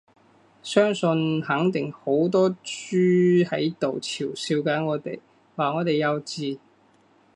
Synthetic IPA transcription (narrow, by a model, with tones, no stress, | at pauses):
sœː˥ŋsɵ˧nhɐ˨˥ŋt̪ɪ˨ŋho˨˥wt̪ɔː˥t͡ʃyː˥hɐ˨˥jt̪o˨wt͡sʰiː˨˩wsiː˧wkaː˨˥nŋɔː˨˧t̪e˨j | waː˨˩ŋɔː˨˧t̪e˨jɐ˨˧wt͡siː˧